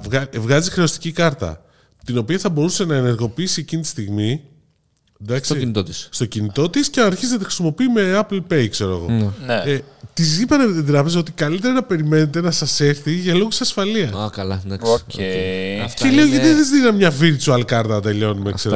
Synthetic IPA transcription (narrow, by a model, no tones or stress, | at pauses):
ɣɐvɣɐzixɾeo̞st̪i̥cikɐɾt̪ɐ̰ | t̪ino̞piɐθɐbo̞ɾuse̞nɐene̞ɾɣo̞piisiecinit̪i̥st̪iɣmi | d̪ɐksit̪ot̪isst̪o̞cinit̪o̞t̪iscenɐɾçiznɐt̪ixɾi̥simo̞piːme̞ɐplpe̞jkse̞ɾo̞ḛɣo̞net̪izipɐnet̪it̪ɾɐpe̞zɐo̞t̪ikɐlit̪e̞ɾɐnɐpe̞ɾime̞ne̞t̪e̞nɐsɐse̞ɾθiʝɐloɣusɐsfɐliɐsakɐlɐd̪ɐksocecelioʝɐiðizðinɐmɲɐviɾt͡ʃuɐlikɐɾt̪ɐt̪e̞ʎo̞numḛse̞ɾo